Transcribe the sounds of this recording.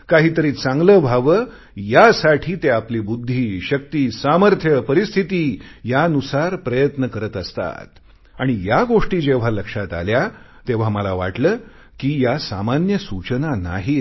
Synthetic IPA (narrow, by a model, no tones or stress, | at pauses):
kaɦiːt̪əɾiːt͡sãŋɡləːbʱaʋəː | jasaʈʰiːt̪eapliːbud̪ʱːiːɕək̚t̪iːsaməɾt̪ʰjəpəɾist̪ʰit̪iːjanusaɾpɾəjət̪nəkəɾət̪əst̪a̰t̪ | aɽ̃ijaɡoʂʈiːd͡ʑeʋ̤aləkʂat̪a̰lja | t̪eʋ̤aməlaʋa̰ʈləː | kiːjasa̰manjəsut͡ɕənana̰ɦi